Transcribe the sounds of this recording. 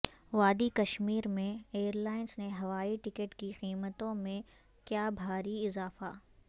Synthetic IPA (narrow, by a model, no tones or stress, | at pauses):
ʋaːd̪ikɐʃmiːɾmẽeːəɾlaːɪnsneɦɐʋaːiʈɪkəʈkiqiːmət̪õmẽ | kjaːbʱaːɾiɪzaːfa̰ː